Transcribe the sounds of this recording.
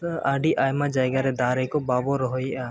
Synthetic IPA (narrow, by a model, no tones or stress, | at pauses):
əʔaɖiʔajmad͡ʒajɡaɾɛd̪aɾɛkɔbabɔɾɔɦɔjʔa